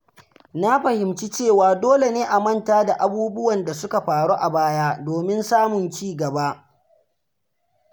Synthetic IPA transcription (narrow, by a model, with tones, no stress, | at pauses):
na˦ɸɐ˨hɪ˨mt͡ʃi˦t͡ʃeː˦˨waː˨doː˦le˨neː˦ʔa˨mɐ˦˨ntaː˦da˨ʔa˨buː˦bʊ˦wɐ˨nda˨sʊ˦ka˨ɸaː˨ɽo˦ʔa˨baː˦jaː˦doː˨mɪ˦nsaː˦mʊ˨nt͡ʃiː˦˨ɡɐ˨ba˦ʔ